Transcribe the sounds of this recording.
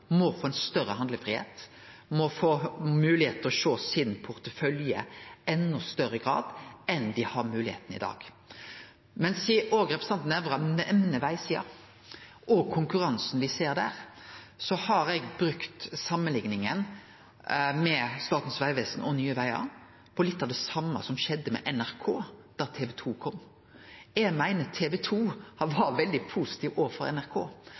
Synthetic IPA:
mɔfoːɛnst̪œɾəhɑnd̪ləfʁɪhḛːt̪ | mɔfoːmʉːlɪheːt̪ɔʃoːsɪnnpʰʊɾt̪əfœljə̰ɛnːɔst̪œɾəɡɾɑ̰ːd̪ɛnd̪ɪhɑmʉːlɪhḛːt̪nɪ̰d̪ɑ̰ːɡ̥ | mɛnsɪʔoːɡɾɛpʰɾəsɑnt̪nɛʋʁɑnʔɛmnəʋæɪsiːɑ̰ | ʔɔkʰʊŋkʉʁɑnsn̩ʋɪseːɾd̪æ̰ːʁsɔhɑɾɛɡbɾʉkt̪sɑmːənlɪŋnɪŋən | mɛst̪ɑːt̪n̩sʋæɪʋeːsn̩ɔnyːəʋæɪɑ̰ | pʰɔlɪt̪ːɑʋd̪ɛsɑmːɑ̰sɔmʃɛd̪ːəmɛ̰ʔɛnæʁkʰoːd̪̥æʁt̪ʰeːʋɛt̪ʰuːkʰɔmː | ɛmæɪnət̪ʰeːʋɛt̪ʰuːhɑʋɑːɾt̪ʋɛld̪ɪpʰuːsɪ̥t̪ʰiːʋoːʋəfɔɾɛ̰næɾkʰo̰ː

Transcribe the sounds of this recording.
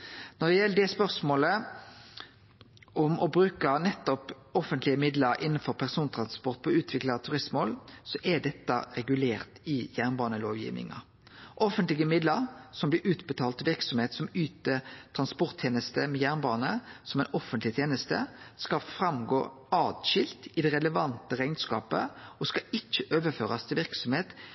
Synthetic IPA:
nɔd̪ɛjɛlːəd̪ɛspœʁsmoːlə | ʔɔmʔɔbɾʉːkɑnɛt̪ːɔp | ɔfənt̪lɪəmɪd̪ləɾʔɪnːn̩fɔʁpʰæʁsuːnt̪ʰɾɑnspɔʁt̪̚pʰɔʉːt̪ʰʋɪklɑt̪ʰʉʁɪsmoːlsɔʔɛɖ̪ɛt̪ːɑ̰ɾɛɡʉleːʁt̪ɪjæʁnbɑːnəloːʋjḭːʋnɪ̰ŋɑ̰ | ʔɔfənt̪lɪɡəmɪd̪ləʁsɔmblɪʔʉːt̪bət̪ʰɑːlt̪ʰʋɪʁksɔmheːt̪sɔmyːt̪ət̪ʰɾɑnspɔʁt̪ʰjeːnəst̪əmɛjæʁnbɑːnəsɔmɛɪnɔfənt̪lɪt̪ʰjeːnəst̪ə̰skɑfɾɑmɡo̰ː | ɑːd̪ʃɪlt̪ɪd̪ɛʁɛləʋɑnt̪əʁæɪnskɑ̰ːpə̰ɔskɑɪt͡ʃːəʔøːʋəføːʁɑst̪ʰɪlʋɪʁksɔmheːt̪

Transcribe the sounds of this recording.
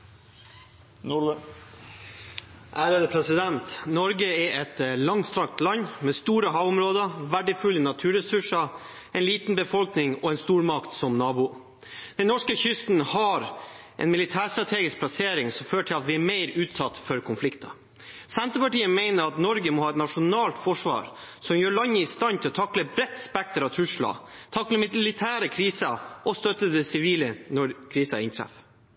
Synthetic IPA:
nʊlə | ʔæːɾəd̪əpʰɾɛsɪd̪ɛnt̪nɔɾɡəɛʔɛt̪lɑŋst̪ɾɑkt̪lɑnmɛst̪uːɾəɦɑʋʊmɾoːd̪əʋæɖəfʉlːənɑt̪ʰʉːɾɛsʉʂə | ɛnliːt̪n̩bəfɔlknɪŋɔɛnst̪uːɾmɑkt̪sɔmnɑːbʊ | d̪̥ɛnnɔʂkəçʏst̪n̩hɑɾʔɛ̰nmɪlɪt̪ʰæːst̪ɾɑt̪ʰeːɡɪsk̚plɑseːɾɪŋsɔmføːʈʰɪlɑt̪ʋɪæɾmæɪɾʉːt̪sɑt̪ːfɔɾkʰʊnflɪkt̪ɑ | sɛnt̪ɾəpɑʈiːəmeɪnəɾɑt̪nɔɾɡəmɔhɑːɛt̪nɑʂʊnɑːlt̪fɔʂʋɑ̰ːɾ | sɔmjøːɭɑɲːəɪst̪ɑnt̪ʰɪlɔt̪ʰɑkləbɾɛt̪ːspæk̚t̪əɾɑt̪ʰɾʉʂɭɑ̰ːt̪ʰɑkləmɪlɪt̪ʰæːɾəkʰɾiːsəʔɔst̪œt̪ːəd̪ɛsɪʋiːlənɔɾkʰɾiːsɑ̰ɪ̰nt̪ʰɾæ̰f

